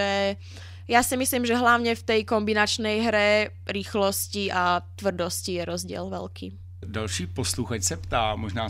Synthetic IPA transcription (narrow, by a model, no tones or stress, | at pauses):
ɛ | jasimisliːmʒɛɦlaʊɲɛft̪ɛjkɔmbinat͡ʃnɛjɦɾɛ | ɾiːxlɔsciat̪ʋr̩d̪ɔscijɛɾɔzɟɪɛ̰lʋɛ̰lkḭː | dalʃiːpɔsluxacsɛpt̪aːmɔʒnaː